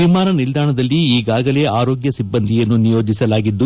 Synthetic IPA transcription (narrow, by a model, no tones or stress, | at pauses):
imaːɾɐnild̪ʱaːɳɐd̪ɐlːiːɡaːɡɐle̞aːɾo̞ːɡjɐsibːɐnd̪ʱijɐnːunijo̞ːd͡ʒisɐlaːɡid̪ːu